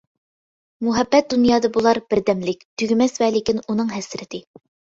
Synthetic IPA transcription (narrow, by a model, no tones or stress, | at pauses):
muɦɛbːɛt̪̚d̪unjɑːd̪ɑbulˠɑɾbɪɾd̪ɛmlɪkʲt̪ʰyɡʲymɛsvæːlɪkʲɪnunɨŋɦɛsɾɪt̪ʰɪ